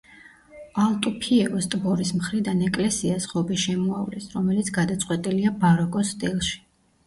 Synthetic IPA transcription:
alˠt̪ʼupʰiɛvɔst̪ʼbɔɾismχɾid̪anɛkʼlɛsiasχɔbiʃɛmuavlɛsɾɔmɛlit̪sʰɡad̪at̪sʼqʼwɛt̪ʼiliabaɾɔkʼɔst̪ʼilˠʃi̥

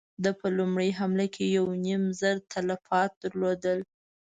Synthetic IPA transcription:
d̪əpəlumɽəjɦamlakʰejawnimzəɾt̪ʰalafɑt̪̚d̪əɾlod̪əl

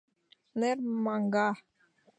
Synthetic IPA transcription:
nɛrmaŋɡah

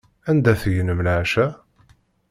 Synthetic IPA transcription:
ænd̪æθʝənəmlʕʃæ

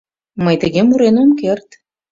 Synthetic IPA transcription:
məjt̪əɣemuɾenomkert̪

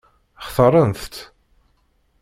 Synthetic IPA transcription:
əχθəɾˤənθt̪

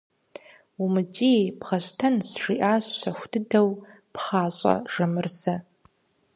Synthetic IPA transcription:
umɨt͡ʃʼijpχɐɕʷtʰɐnsʂiʔaːɕɕɐxʷdʰɨdɐw | pχaːɕʼɐ̰ʒ̥ɐmɨrzɐ

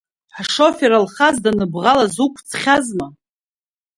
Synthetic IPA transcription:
ħʂo̞feɾalχazdanɨbʁalazukʷʰt͡sʰχʲazma

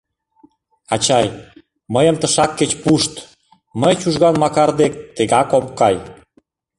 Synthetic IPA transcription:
ɑt͡ɕɑj | məjə̆mt̪əʃɑkːet͡ɕpuʃt̪ | məjt͡ɕuʒɣɑnmɑkɑrd̪ek̚t̪eɣɑkompkɑj

